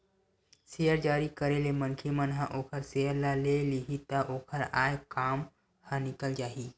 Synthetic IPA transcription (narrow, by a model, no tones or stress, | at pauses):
sejəɾd͡ʒaːɾikəɾelemənkʰemənɦãʔoːkʰəɾsejəɾlaleliɦit̪aʔoːkʰəɾa̰ːjkaːm | hãnikəld͡ʒaːɦiː